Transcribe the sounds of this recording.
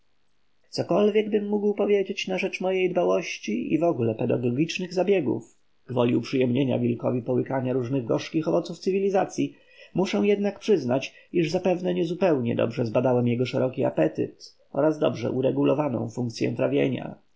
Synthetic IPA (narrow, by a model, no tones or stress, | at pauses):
t̪sɔkɔlvʲjɛɡ̚bɘmːuɡwpɔvʲjed͡ʑet͡ɕnaʐɛt͡ʂmɔjejd̪bawɔɕt͡ɕiḭvɔɡulɛpɛd̪aɡɔɡʲit͡ʂnɘɣzabʲjɛɡṵf | ɡ̥vɔlʲiwpʂɘjɛmɲeɲa̰vʲilkɔvʲipɔwɘkaɲaɾuʐnɘɣɡɔʂkʲixɔvɔt̪suft̪sɘvʲilʲizat̪sʲji | muʂɛw̃jɛd̪nakpʂɘznat͡ɕiʐzapɛvnɛɲɛzupɛwɲɛ̰d̪ɔ̰bʐɛzbad̪awɛmjɛɡɔʂɛɾɔkʲia̰pɛt̪ɘ̰t̪ | ʔɔ̰ɾazd̪ɔbʐɛ̰ʔuɾɛɡulɔvanɔ̰̃w̃fuŋk̚t̪sʲjɛ̰̃t̪ɾavʲjeɲa̰